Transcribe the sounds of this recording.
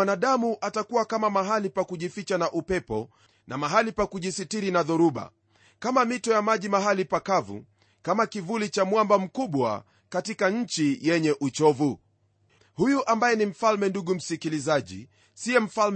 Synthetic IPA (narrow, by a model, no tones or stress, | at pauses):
anaɗamuʔatakuwakamamaɦalipakuʄifit͡ʃanaʔupɛpɔ | nʔamaɦalipakuʄisitiɾinaðɔɾuɓa̰ | kamamitɔjamaʄimaɦalipakavṵ | kamakivulit͡ʃamwambam̩kuɓwa̰ | katikaɲ̩t͡ʃijɛɲɛʔut͡ʃɔvu | hujuʔambajɛnim̩falmɛnduɠum̩sikilizaʄḭ | siɛm̩fal